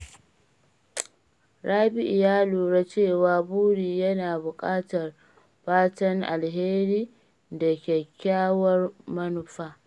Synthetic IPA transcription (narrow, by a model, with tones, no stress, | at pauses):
ɽʔaː˦bɪ˦ʔɪ˨jaː˦luː˨ɽa˦t͡ʃeː˦˨waː˨buː˦ɽiː˨jɐ˦naː˨bʊ˨kʼaː˦tɐ˨r | ɸaː˦tɐ˦ŋʔa˨lɦeː˦ɾiː˦ | da˨kʲɛ˨kʲːaː˦wɐ˦rmɐ˦nʊ˨ɸaː˦